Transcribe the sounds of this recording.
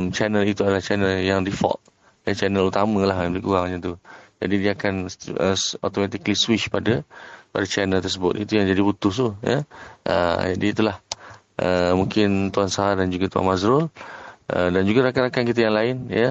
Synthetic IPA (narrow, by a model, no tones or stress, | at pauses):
mt͡ʃanəlit̪uadalaht͡ʃɛnəljaŋdifɔ̰ʔ̚ | jət͡ʃɛnəlut̪amə̃laɦbəlikuɾaŋɲat̪ud͡ʒa̰didiakanəso̰t̪omat̪ikliswit͡ʃpadəpadat͡ʃanəlt̪ərs̬əbʊt̪̚it̪ujaŋd͡ʒadibut̪ʊst̪ujə̰ʔə̰d͡ʒadiːt̪ulah | ʔə̰mũŋkɪnt̪uansaɦadand͡ʒuɡat̪ua̰nmazɾʊlʔə̰dand͡ʒuɡaɾakanakankit̪ajaŋlaɪnjə